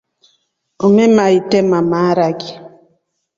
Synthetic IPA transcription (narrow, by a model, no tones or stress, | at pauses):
omemaitɛmamaɾaɡi